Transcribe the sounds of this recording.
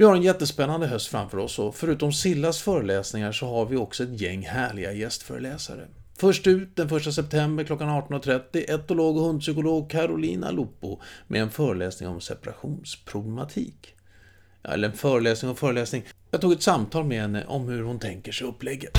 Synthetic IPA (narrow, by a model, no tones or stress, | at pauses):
vɪhaɾɛnjɛt̪ːəspɛnːand̪əɦœst̪fɾa̰mfœːɾɔsːɔfœɾʉ̟ːt̪ɔmsɪlːasfœːɾəlɛːsnɪŋaʂɔɦaɾvɪɔksɔɛt̪jɛŋːhæːɭɪɡajɛst̪fœ̰ːɾə̰lɛːsa̰ɾə̰ | fœʂʈʉ̟ːt̪̚d̪ɛnfœʂʈasɛp̚t̪ʰɛmbəɾkʰlɔkːanɑːʈɔnɔt̪ʰɾɛt̪ːɪʔɛt̪ːʊloːɡɔhɵnd̪sʏkʊloːɡkʰaɾʊliːna̰lupːʊmʔɛ̰ɛnfœːɾəlɛːsnɪ̰ŋɔ̰msɛ̰paɾa̰ɧuːnspʰɾʊblɛmat̪ʰḭːk | ɛ̰lːəɾɛnfœːɾəlɛːsnɪŋɔfœːɾəlɛːsnɪŋjɑɡt̪ʰuːɡɛt̪samt̪ʰɑːlmɛɦɛnːə̰ʔɔmhɵɾhʊnt̪ʰɛŋkəʂɛjɵpːlɛɡːət̪